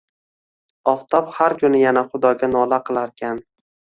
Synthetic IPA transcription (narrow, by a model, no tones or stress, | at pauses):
ɒft̪ʰɒphaɾkʰʊnɪjanaχʊd̪ɒɡʲanɒlˠaqʰɨlˠaɾkʲʰan